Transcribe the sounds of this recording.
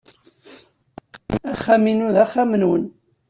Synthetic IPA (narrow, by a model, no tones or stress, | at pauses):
æχːæminuðæχːamənwən